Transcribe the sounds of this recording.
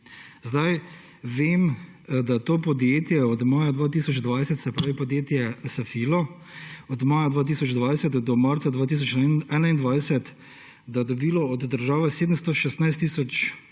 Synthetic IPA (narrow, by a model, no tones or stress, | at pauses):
zd̪aj | ʋeːm | d̪at̪oːpɔd̪jeːt̪jɛɔd̪maːjad̪ʋaːt̪̬iːsɔd͡ʒd̪ʋajsɛt̪sɛpɾaːʋipɔd̪jeːt̪jɛsafiːlɔ | ɔd̪maːjad̪ʋaːt̪̬iːsɔd͡ʒd̪ʋajsɛt̪d̪ɔmaɾtsad̪ʋaːt̪iːs̬ɔt͡ʃɛːnaind̪ʋajsɛt̪ | d̪ad̪ɔbiːlɔɔd̪ːəɾʒaːʋɛseːd̪əmst̪ɔʃɛst̪najst̪ːiːsɔt͡ʃ